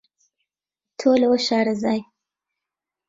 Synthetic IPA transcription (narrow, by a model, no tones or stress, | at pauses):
t̪ʰolwoʃɑɾazɑj